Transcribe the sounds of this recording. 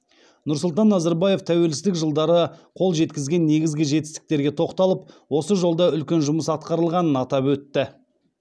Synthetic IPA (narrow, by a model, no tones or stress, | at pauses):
nʊɾsʊlˠt̪̬ɑnːɑzɑɾbɑje̞ft̪ʰæwe̞lsɪsd̪ɪkʒəlˠd̪ɑɾəqʰo̞lˠʒe̞t̪kʲɪzɡʲe̞nːe̞ɡʲɪzɡʲɪʒe̞t̪ɪst̪ɪ̥k̚t̪e̞ɾɡʲe̞t̪ʰo̞qt̪ɑlˠəp̚wo̞səʒo̞lˠd̪ɑʏlkʲe̞nʒʊməsɑt̪̚qɑɾəlˠʁɑnənɑt̪ɑpwɵt̪ːɪ